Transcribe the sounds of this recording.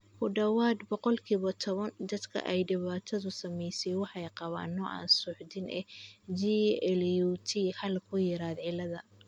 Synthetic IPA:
kʰʊɖɐwaːd̪bɔqɔlkʰiːβɔt̪ʰɔβɐnd̪ɐd̪kʰɐ̰ʔɛjɖɪβaːt̪ʰɐðʊsɐmɛjsɛjwɑħɛjqɑβa̰ːnːɔʔa̰ːnsʊħd̪ɪnʔɛ̰d͡ʒiɛljut̪ʰihɐlkʰʊjɪɾaːd̪ʕɪlɐðɐ

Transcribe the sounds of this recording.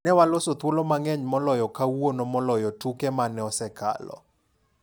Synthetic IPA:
nɛwalosot̪wolɔmaŋɛɲmɔlɔjɔkawwonɔmɔlɔjɔtukɛmanɛɔsɛkʰa̰lɔ̰

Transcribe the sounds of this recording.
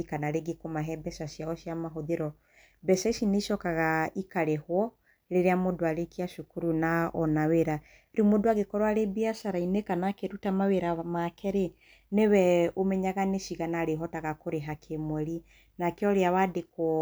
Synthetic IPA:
kanaɾeɡekomaɦɛbɛsaʃjaɔʃiamaɦoðeɾɔ | bɛsaisineʃɔkaɣaikaɾehwɔ | ɾeɾeamodoaɾekiaʃukuɾunaɔnaweɾa | ɾimodoaɡekɔɾwaɾebiasaɾainekanakeɾutamaweɾamakʰɛɾe | newɛomɛɲaɣaneʃiɣanaɾeɦɔtaɣakoɾeɦakʰemwɛɾi | nakeɔɾeawadekwɔ

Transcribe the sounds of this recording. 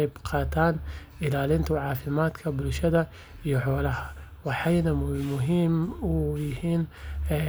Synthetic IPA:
ɪbqʰaːt̪aːnʔɪlalɪnt̪wʕaːfɪmaːt̪kʰabluʃad̪a | jɪħulahawɪħajnamlmʊɦimwihiːn

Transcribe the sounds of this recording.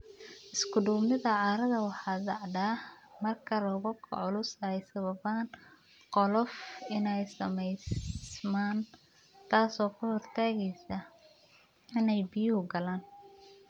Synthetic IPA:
ʔɪskʰʊduːmnɪðɐʕɑːɾɐðɐwɑħɑːd̪ɑʕd̪aːmɐrkʰɐlɔːɣʊkʰɔ̰ʕʊlʊsɐɛjsɐβɐβaːn | qɔlɔfɪnɛjsɐmɛjsmaːn | t̪ʰaːsɔːkʰʊhɔrt̪ʰaːɣɛjsɐ | ɪnɛjbijhʊɡɐlaːn

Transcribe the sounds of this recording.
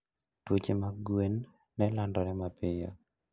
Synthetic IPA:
twot͡ʃemaɡwenː | ɛlandɔnɛmapɪja̰

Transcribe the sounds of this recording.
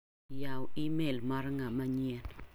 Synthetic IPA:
jawimelmaɾŋamaɲiɛn

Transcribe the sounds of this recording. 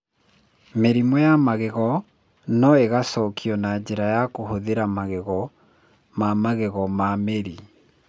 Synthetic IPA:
meɾimwɔjamaɣeɣɔ | nɔeɣasɔːkʰiɔnad͡ʑeɾajakohoðeɾamaɣeɣɔ | mamaɣeɣɔmameɾi

